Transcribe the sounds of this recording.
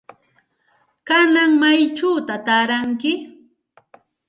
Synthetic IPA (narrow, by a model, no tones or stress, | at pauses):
kanaŋmajt͡ʃaːt̪at̪aːɾaŋkɪ